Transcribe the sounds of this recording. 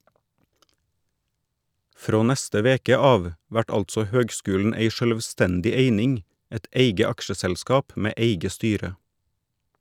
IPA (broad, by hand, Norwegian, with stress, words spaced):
ˈfɾoː ˈnæstə ˈʋeːkə ˈɑːʋ ˈʋæʈ ˈɑltsɔ ˈhøːɡˌskʉːln̩ ˈeɪ ʃœlʋˈstɛndɪ ˈeɪnɪŋ ˈɛt ˈeɪɡə ˈɑkʃəsɛlˌskɑːp ˈmeː ˈʔeɪɡə ˈstyːɾə